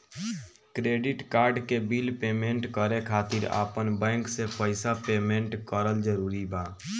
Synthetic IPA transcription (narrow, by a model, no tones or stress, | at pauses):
kɾeːɖɪʈkaːɾɖkebilpeːmẽɳʈkəɾekʰaːt̪iɾa̰ːpənbɛ̃ːŋksepəɪsapeːmẽɳʈkəɾəld͡ʒəɾuːɾibaː